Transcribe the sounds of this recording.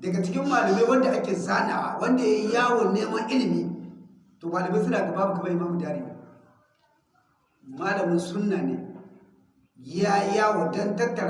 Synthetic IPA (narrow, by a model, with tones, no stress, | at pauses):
dɐ˨ɡa˨t͡ʃɪ˦kʲɪ˦mːaː˨lɐ˨me˦wɐ˦nda˨ʔa˦kʲeː˨zaː˦na̰˨a˨wɐ˦nda˨ja˦jaː˦wo˨nneː˦mɐ˦nʔɪ˦lɪ˨miː˦ | toː˨ɡʷa˨la˨be˦s̬u˦naː˨ka˨baː˦mu˨kɐ˦ba˦ji˦maː˦mu˨daː˦ɾi˨nḭ˨ | maː˦lɐ˨mi˦nsʊ˦nːa˨nḛ˨ | ɡʲɪjja˦jaː˦wo˨dɐ˦ntɐ˦tːɐ˨ɾ